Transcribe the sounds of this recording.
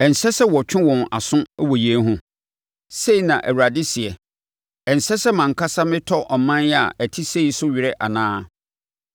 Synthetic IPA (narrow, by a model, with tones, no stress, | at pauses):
ɛ˨n̩˨sɛ˦sɛ˦wɔ˨t͡ɕᶣɪ̃˦wɔ̃˨na˨sʊ̃˦wɔ˨ji˨e˦n˦ɦʊ̃˦ | se˦i˨nã˨ʔæ̰˨wu˨ɾa˨dɪ˦si˨ɛ˨ | ɛ˨n̩˨sɛ˦sɛ˦mã˨ŋ̩˨kʰa˦sa˦mɪ̃˦tʰɔ˦ʔɔ˨mã˦njɛ˦a̰˨æ˨tʰi˦se˦i˨sʊ˦ɥi˨ɾɛ˦ʔa̰˨nãː˦